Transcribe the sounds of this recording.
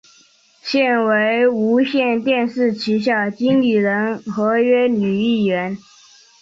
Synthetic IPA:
ɕjɛ˥˩nwe˧˥ɪu˧˥ɕjɛ˥˧nt̪jɛ˥˧nʂɻ̩˥˩t͡ɕʰi˧˥ɕ̬jɑ˥˩ʊt͡ɕi˥ŋli˥˩ɻə˧˥nxɤ˧˥ɥɛ˥ny˨˩i˥˩ɥɛ˧˥n

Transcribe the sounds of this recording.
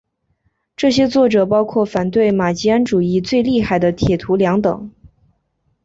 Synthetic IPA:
ʈ͡ʂɤ˥˩ɕjɛ˥t͡swɔ˥˩ʈ͡ʂɤ˨˩pɑ˥ʊkʰwɔ˥˩fa˨˩nt̪we˥˩ɪma˨˩t͡ɕi˥a˥nʈ͡ʂu˨˩i˥˧t͡swe˥˧ɪli˥˧xa˥˩ɪd̪ə˦t̪ʰjɛ˨˩t̪ʰu˧˥ljɑ˧˥ŋt̪ɤ̰˨˩˦ŋ

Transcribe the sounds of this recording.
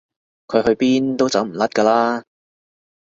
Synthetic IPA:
kʰɵ˨˧ɥɦɵ˧ɥpiː˥nt̪o˥wt͡sɐ˨˥wm̩˨˩lɐ˥t̚kaː˧laː˥

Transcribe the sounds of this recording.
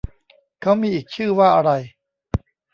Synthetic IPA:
kʰa˦˥wmiː˧ʔiː˨˩k̚t͡ɕʰɯː˥˩waː˥˩ʔa˧ɾa˧j

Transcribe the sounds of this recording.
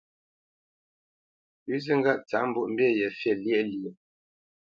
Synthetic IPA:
ʉ˦zɨ˦ŋɡa˦˨ʔt͡sa˨˦m˦bu˦ʔm̩˦bjɛ˦˨jɛ˨fɛ˦˨ljɛ˦˨ljɛ˨

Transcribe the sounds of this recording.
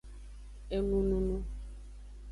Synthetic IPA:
e˦nu˦nu˦nu˦

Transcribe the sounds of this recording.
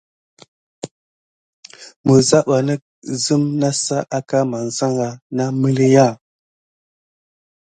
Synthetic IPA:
mə˨za˦ɓa˨nə˦ | zə˦mna˦sa˦ʔa˦ka˦ma˨n˨za˦ŋɡa˨na˦mi˦li˦ja˦˨

